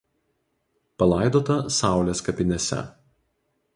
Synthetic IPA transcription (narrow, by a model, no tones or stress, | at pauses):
pɐlˠɑˑɪd̪oːt̪ɐsɑˑʊlʲeːskɐpʲɪnʲɛsʲɛ̰